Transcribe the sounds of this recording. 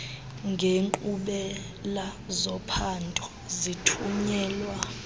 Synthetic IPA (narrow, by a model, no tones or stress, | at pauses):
ŋɡʱeŋǃʼuɓɛ | lazɔpʰantʼɔ | zitʰuɲɛːlwa